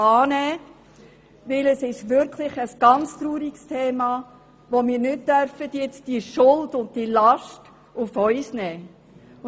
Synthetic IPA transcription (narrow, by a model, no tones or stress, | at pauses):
ɑːnɛː | ʋɪləsɪʃʋɪɾkʰlɪχəsɡ̥ɑnt͡st̪ɾuːɾikstʰeːmɑ | ʋomiːɾnʏt̚dœɾfədjɪt͡sd̥iʃʊldʊnt̚d̥ilɑʃt | ʊfœʏsnɛː